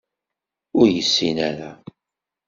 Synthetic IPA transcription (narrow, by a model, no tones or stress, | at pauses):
ʊɾjəsːinæɾa